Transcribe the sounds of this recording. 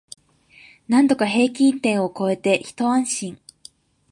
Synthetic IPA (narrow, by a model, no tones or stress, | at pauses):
nãnd̪o̞kaɦe̞ːk̬ʲĩnt̪ẽ̞ɰ̃o̞ko̞e̞t̪e̞çi̥t̪o̞ãɰ̃ɕĩŋ